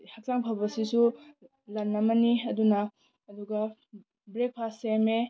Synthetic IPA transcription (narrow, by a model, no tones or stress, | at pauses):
hak̚saŋpʰawbɐsisu | lɐnːɐmɐniɐdunɐː | duɡɐ | bɾek̚pʰaseme